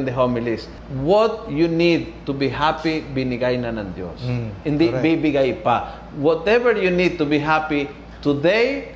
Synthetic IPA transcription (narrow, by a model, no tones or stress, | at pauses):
nd̪əɦomɪlis | wɔt̪̚junid̪̚t̪ubiɦapibɪnɪɡajnanaŋd̪jo̰sɪ̃nd̪ibibɪɡajpa | wɔt̪ɛvəɹjunid̪̚t̪ubiɦapi | t̪ud̪ej